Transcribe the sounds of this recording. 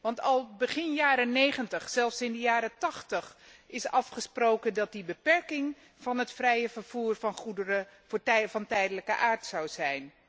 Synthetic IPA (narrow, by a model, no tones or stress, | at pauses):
ʋɑntɑlˠbəχɪnjaːɾənejχəntəχsɛlˠfsɪndəjaːɾətɑχtəχɪsɑfχəsprowkəndɑt̚dibəpɛɹkɪŋ | v̥ɑnɦətfrɛjəvəɹv̥uːrvɑnχudəɾə | vɑntɛjdələkə̰ʔaːɹtsɑwzɛjn